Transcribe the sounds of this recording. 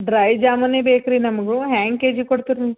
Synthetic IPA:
ɖɾɐjd͡ʒaːmɐneːbeːkɐɾinɐmɐɡuɦaːŋkeːd͡ʒikoɽt̪iɾun

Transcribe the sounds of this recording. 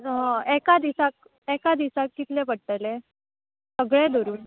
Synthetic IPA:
ɦɔ̃ekad̪isak̚ | ekad̪isakːit̪lepəɽʈ̪ele | səɡɭẽd̪oɾuːn

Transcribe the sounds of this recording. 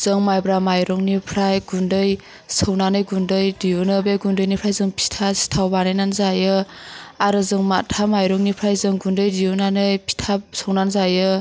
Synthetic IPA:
z̥ɯŋmajbɾamajɾɔŋnipʰɾajɡundɯj | sɯwnanɯjɡundɯjdiunɯbeɡundɯjnipʰɾajzɯŋpʰi̥tʰasi̥tʰawbanajnanzajɯaɾɯzɯŋmatʰamajɾɔŋnipʰɾajzɯŋɡundɯjdijunanɯjpʰi̥tʰasɔwnanzajɯ

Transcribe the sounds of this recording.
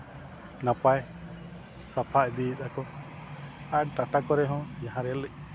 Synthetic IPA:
napaj | sapʰaʔd̪it̪akɔ | aʈaʈakɔɾɛɦɔ̃jaɦãɾɛlɛ

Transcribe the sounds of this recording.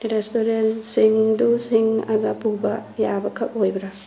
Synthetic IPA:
ɾestoɾensiŋdusiŋa̰ɡɐpubɐjabɐkʰɐk̚ojbɐɾa

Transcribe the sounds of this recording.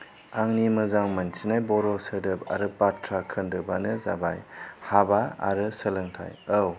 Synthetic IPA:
aŋnimɯzaŋmansinajbɔɾɔsədɯpa̰ɾɯpatʰɾakʰɯndɯbanɯzaba̰jhabaa̰ɾɯsəlɯŋtʰa̰jəw

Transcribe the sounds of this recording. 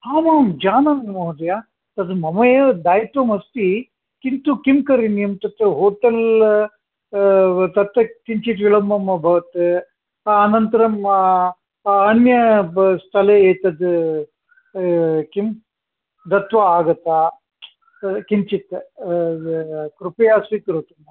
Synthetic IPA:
haːmaːmd͡ʒaːnɐnmɐɦd̪ɐjaː | t̪ɐd̪mɐmɐjɐd̪aːjit̪ʋɐmɐst̪i | kint̪ukimkɐɾinijɐmt̪ɐt̪ːɐɦoːʈɐl | t̪ɐt̪ːɐkiɲt͡ʃit̪ʋiɭɐmːɐmɐbʱɐʋɐt̪ː | nɐnt̪ɐɾɐm | ɐnjɐst̪ʰɐleeːt̪ɐd̪ | kim | d̪ɐt̪ʋɐaːɡɐt̪ːa | kiɲt͡ʃit̪ | kɾupɐjaːsʋikɐɾut̪umɐ

